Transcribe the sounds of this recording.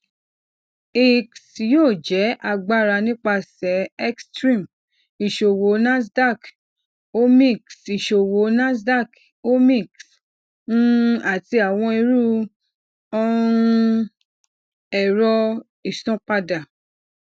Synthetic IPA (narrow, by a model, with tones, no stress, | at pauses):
i˨ksjoː˦˨d͡ʒɛ˨˦ʔa˧ɡ͡ba˧ɾa˧nĩ˦k͡pa˧sɛ˨˦ɛ˦kstɾĩ˦˨m | i˨ʃo˨wo˨˦nã˦s̬da˦˨k | o˦mĩ˦˨ksi˨ʃo˨wo˨˦nã˦sda˦˨k | o˦mĩ˦˨ks | nũ˦a˦˨ti˧a˨w̃ɔ̃˧i˧ɾu˦ | ɔ̃˦ũ˧ | ɛ˨ɾɔ˧ | i˨sɔ̃˦k͡pa˧da˨